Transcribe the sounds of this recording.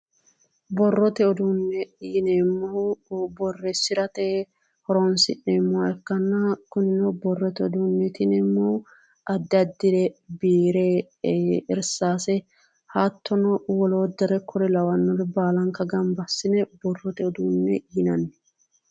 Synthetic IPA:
bɔrːɔt̪ɛɔd̪unːɛiːnɛmːɐwbɔrːɛsɪɾɐt̪eː | hɔɾɔnsɪ̰nːɛmːʊaɛkːɐnːɐkʊnɪnɛbɔrːɔt̪ɛɔd̪unːɛt̪ɪnɛmːɐw | ɐd̪ːɪɐd̪ːɪd̪ɛbiːɾe | ɪɾsaːsɛ | hat̪ʰːɔnɔwɔloːd̪ɛɾɛkʰɔɾɛlɐwɐnːɔɾɛbaːlɐŋkːɐɡɐmbɐsːɪnɛbɔrːɔt̪ɛɔd̪unːɛiːnɐnːɛ

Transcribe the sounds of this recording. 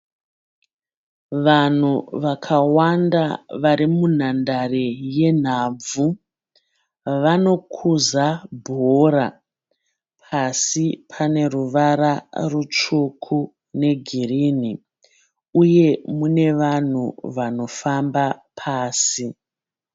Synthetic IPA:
ʋan̤uʋakʰawandaʋaɾimun̤andareje̞n̤aːb͡vvu | ʋano̞kʰuzabʱoɾa | pʰasipʰane̞ruʋaɾarut͡ʂukʰu | ne̞ɡʱirini | uje̞mune̞ʋan̤ṵʋano̞fambapʰaːsi

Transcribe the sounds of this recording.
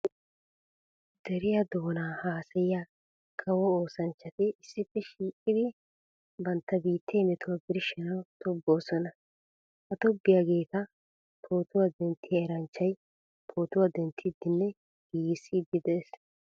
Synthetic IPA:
d̪ɛɾɪjɐd̪oːnaːhaːsɐjja | kʰɐwɔoːsɐnt͡ʃːɐt̪ɪʔɪsːɪpːɛʃiːkʼːɪd̪ɪ | bɐnt̪ːɐbiːt̪ːeːmɛt̪ʊwɐbɪɾɪʃɛnɐwt̪ʰɔbːo̞ːsɔnɐ | hɐt̪ɔbːɪjaɡe̞ːk̪ɐ | pʰo̞ːt̪ʊwɐd̪ɛnt̪ʰːɪjɐɛɾɐnt͡ʃːɐj | pʰo̞ːt̪ʊwɐd̪ɛnt̪ʰːɪd̪ːɪnːɛ | ɡ̥iːsid̪ɪd̪ɛs

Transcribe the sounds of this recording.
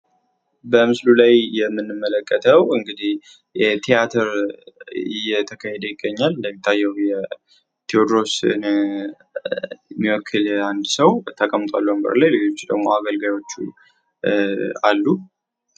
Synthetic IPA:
bəmɨslulajjɛmːɨnːɨmːələkʼːət̪ʰəwɨŋɡɨd̪ih | jɛt̪ʰijat̪ʰəɾ | ɨjːɛt̪ʰəkʰahɛd̪əjɪɡːəɲːalːəmːit̪ʰːajːɛwjɛ | t̪ʰiod̪ɾo̞sɨn | jɛmːiwɔkʰːɨland̪səwt̪ʰəkʼəmt̪ʼwa̰lːəwəmɡə̰ɾlajled͡ʒo̞t͡ʃːd̪ə̰ɡmo̞aɡəlɡajo̞t͡ʃːṵ | alːu

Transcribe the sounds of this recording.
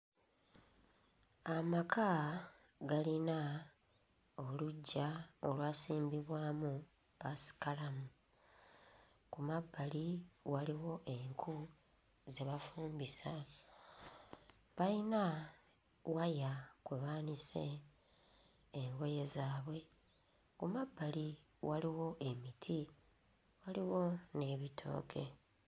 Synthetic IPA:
amakʰa | ɡalina | oluɟːaolwaːsiːmbiβwaːmu | βasi̥kalamu | kumabːaliwaliwo̞ʔe̞ŋkʰu | ze̞βafuːmbisa | βaina | wajakweβaːnise̞ | ŋɡo̞je̞zaːβwe̞ | kumabːali | waliwo̞ʔe̞mitʰi | waliwo̞ne̞βitʰo̞̰ːkʰe̞

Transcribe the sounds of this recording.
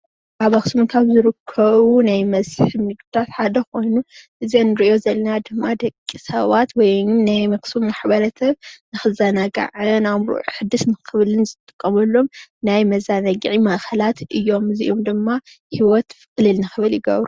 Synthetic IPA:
ʔaβɐxsumnkʰaβzɨɾɨkʰːɐβunajmɐzħɨmnɨɡd̪at̪ħad̪ɐkʰo̞jnuʔɨzienɨɾiʔo̞zɐlːɐnad̪ɨmːad̪ɐkʼːisɐ̰βat̪wɔjɨmnajmɐksumːaħbɐlɐt̪ʰɐβnɨxɨzɐnaɡa̰ʕɨnamɾṵʕħɨd̪ɨsnɨxɨβlɨnzɨt̪t̪ʼɨ̥kʼːɐmɐlːo̞mnajmɐzanɐɡʕimɐʔxʰɐlat̪ʰʔɨjːo̞mɨziʔomd̪ɨmːa | hiwɔt̪fɨkʼɨlɨlnɨxɨβɨljɪɡɐ̰βɾu

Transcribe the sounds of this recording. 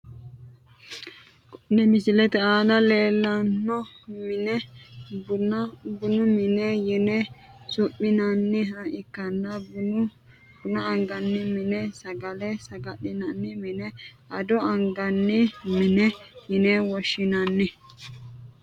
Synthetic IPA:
kʊnːɛmɪsɪlɛt̪ɛaːdɐleːlːɐnːɔmɪnɛbʊnbʊnʊmɪnɛjɪnɛsʊpːɪnɐnːɪɐʔɪkːɐnːɐb | ɡ̥ʊnɐːŋɡɐnːɪmɪnɛsɐɡɐlɛsɐɡɐɗɪnɐnːɪmɪnɛʔɐd̪ɔɐŋɡɐnːɪmɪnɛjɪnɛwɔʃːɪnɐnːɛ

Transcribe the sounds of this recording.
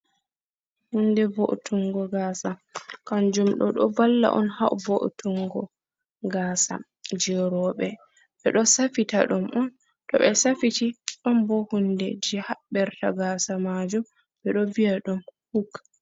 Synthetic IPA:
hundɛvoʔtʰuŋɡɔɡaːsakand͡ʒumɗɔ̰ɗɔ̰balːa̰ʔɔ̰nhawvoʔtuŋɡɔ | ɡaːsa̰ | d͡ʒɛɾɔɓɛ | ɓɛɗɔsafita̰ɗumʔɔn | tɔɓɛsafitiɗɔnbɔhundɛ̰d͡ʒihabɛɾtaɡaːsamad͡ʒum | ɓɛɗɔvijaɗumhukː

